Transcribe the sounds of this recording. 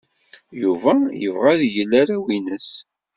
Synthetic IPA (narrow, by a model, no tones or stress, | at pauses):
juvæjə̰vʁæðjəlːaɾawinəs